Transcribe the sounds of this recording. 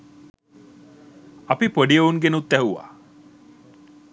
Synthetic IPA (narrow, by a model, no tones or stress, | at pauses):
ɐpipoɖijəuŋɡenut̪ːæɦuʋa̰ː